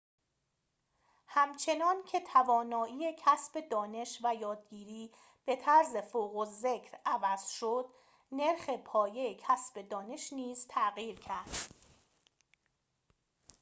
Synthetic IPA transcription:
hæmt͡ʃʰe̞nɒːncʰe̞t̪ʰævɒːnɒːʔiːecʰæsb̥e̞d̪ɒːne̞ʃvæjɒːd̪̚ɡiːɾiː | b̥e̞t̪ʰæɾze̞foːɣoze̞cʰɾævæz̥ʃod̪ | ne̞ɾxe̞pʰɒːje̞jecʰæsb̥e̞d̪ɒːne̞ʃniːzt̪ʰæɣiːɾcʰæɾd̪̥

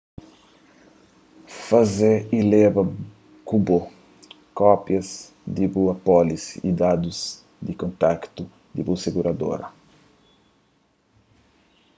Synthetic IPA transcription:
fazeilɛvɐ | kubo | kɔpjɐz | d̪ibuɐpɔlisḭd̪ad̪uz | d̪ikõnt̪akt̪u | d̪ḭbuseɡuɾʔɐd̪o̰ɾɐ̰

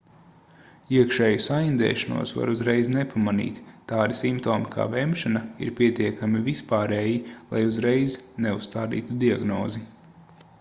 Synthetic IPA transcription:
iɛkʃɛːjusaind̪ɛ̰ːʃanṵɔsva̰ɾuzɾejznepamanḭːt̪ːaːd̪isimpt̪oːmikʰa̰ːvɛmʃanaḭɾpʲiɛt̪iɛkamivispaːɾɛːjilˠa̰juzɾejznɛusst̪aːd̪ḭːt̪ud̪iaɡnɔːzi

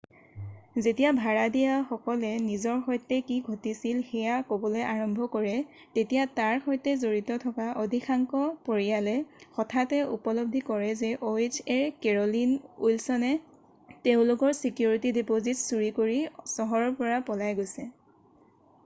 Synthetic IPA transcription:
zetijabʱaɹadijaxɔkɔlɛnizɔɹxɔjtːɛkiɡʱotisilxɛjakobɔleʔaɹɔmbʱɔkɔɹɛ | tetijataɹxɔjtɛzoɹitɔtʰɔkaʔodʱixʰaŋkɔpoɹijalɛxɔtʰatɛupɔlɔb̚dʱikɔɹɛzɛʔoed͡ʒɛɹkɛɹɔlinujlsɔnɛ | teʊ̃lʊkɔɹsikjuɹitidipozitsuɹikoɹisɔɦɔɹɔɹpɔɹapɔlajɡojsɛ

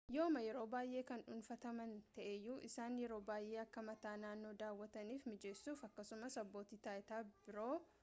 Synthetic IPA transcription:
joːmɐjɛɾo̞ːbaːjʔe̞ːkɐnᶑʊnfɐt̪ɐmɐnt̪ɐʔejːuːʔɪsaːnjɛɾo̞ːbaːjʔe̞ːɐkːɐmɐt̪aːnaːnːo̞ːd̪aːwːɐt̪ɐniːfmɪd͡ʒe̞ːsːuːfɐkːɐsʊmɐsɐbːo̞ːt̪iːt̪aːʔɪt̪aːbɪɾo̞ː

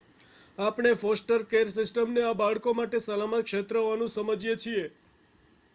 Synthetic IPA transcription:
apɳ̃efɔsʈəɾkeɾsɪsʈəmneabaɭkomaʈesəlamət̪kʃet̪ɾəʋanũsəməd͡ʒjet͡ʃʰie

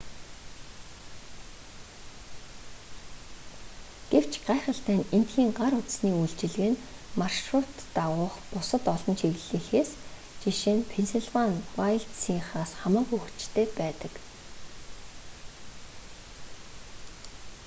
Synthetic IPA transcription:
ɡ̥ew̥t͡ɕɢaːχə̆ɬt̪æːnen̥t̪xiːŋɢaɾʊt̪sniːujɮt͡ɕɪ̆ɮɣɘ̆nmarʃrʊt̪ːaʁʊːχpʊsə̆t̪ɔɮɞ̆nt͡ɕʰiɣɘ̆ɮiːxeːs | t͡ɕiʃeːnpʰenseɮvanwajɮt̪siŋχaːsχamaːkuxɘ̆t͡ɕt̪ʰeːpæːt̪ə̆k

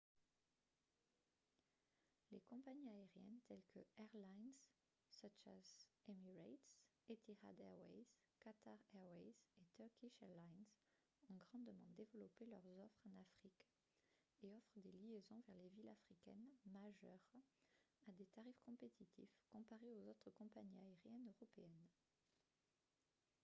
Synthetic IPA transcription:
lekɔ̃paɲiaeʁjɛnt̪ɛlkʰəɛʁlajnz | sat͡ʃa̰zemiʁat̪s | et̪iʁa̰d̪ɛʁwɛ̰jz | kat̪aʁɛʁwɛjzet̪œʁkʲiʃɛʁlajnz | ɔ̃ɡʁɑ̃d̪əmɑ̃d̪evəlɔpelœʁzɔfχɑ̃nafχik | eɔfχəd̪eliezɔ̃vɛʁlevilafχikʲɛ̰nmaʒœ̰ʁ | ad̪et̪aʁifkɔ̃pet̪ʰit̪ʰḭfkɔ̃paʁeozot̪χəkɔ̃paɲiaeʁjɛnøʁɔpeɛn

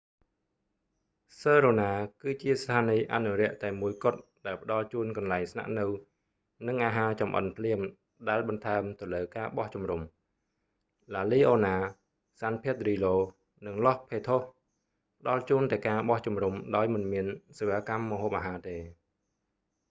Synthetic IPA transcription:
səːɾoːnaːkɨːt͡ɕiəst̪ʰaːniːʔa̰nuɾɛ̆əʔt̪aɛmuəjkŏət̪̚ɗaɛlpə̆ɗɑlt͡ɕuənkɑnlaɛŋsna̰ʔnɨw | nɨŋʔaːɦaːt͡ɕɑmʔə̰npʰliəm | ɗaɛlɓɑnt̪ʰaɛmt̪ɨwləːkaːɓɑht͡ɕumrum | laːliːʔoːnaː | saːnpʰiət̪̚riːloː | nɨŋlɑhpʰeːt̪ʰoh | pə̆ɗɑlt͡ɕuənt̪aɛkaːɓɑht͡ɕumrumɗaɔjmɨnmiənseːʋaːkamːə̆ɦoːp̚ʔaːɦaːt̪eː

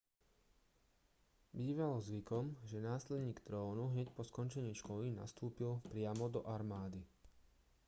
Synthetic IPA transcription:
biːʋalɔzʋikɔmʒɛnaːslɛd̪ɲiːɡt̪ɾɔːnuɦɲɛcpɔskɔnt͡ʃɛɲiːʃkɔlina̰st̪uːpilpɾɪamɔd̪ɔʔaɾmaːd̪i

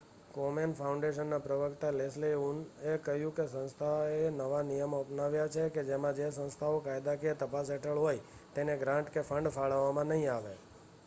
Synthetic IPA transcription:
komenfʰaʊũɳɖeʃənːapɾəʋəkt̪alesleunekəɦjũkesə̃nst̪ʰaenəʋanijəmoəpnaʋjat͡ʃʰeked͡ʒemãd͡ʒesə̃nst̪ʰaokajd̪akiet̪əpas̬eʈʰəɭɦoj | t̪eneɡɾãɳʈkefʰəɳɖfaɭəʋːamãnəɦĩaʋe

